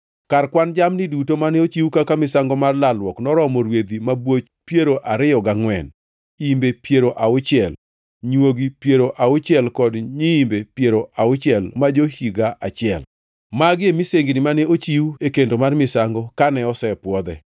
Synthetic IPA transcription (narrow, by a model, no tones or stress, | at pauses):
karkwand͡ʒamnɪdutomanɛot͡ʃiwukakamɪsaŋɡɔmarlalwɔknɔɾɔmɔɾwed̪imabwot͡ʃ | pjeɾoʔaɾɪjɔɡaŋwɛn | imbepjeɾoʔaʊt͡ʃɪɛl | ɲwoɡipjeɾoʔaʊt͡ʃɪɛlkɔdɲiimbepjeɾoʔaʊt͡ʃɪɛlmad͡ʒohiɡaʔat͡ʃɪɛl | maɡɪemiseŋɡinɪmanɛot͡ʃiuekendomarmɪsaŋɡɔkanɛɔsɛpwɔd̪ɛ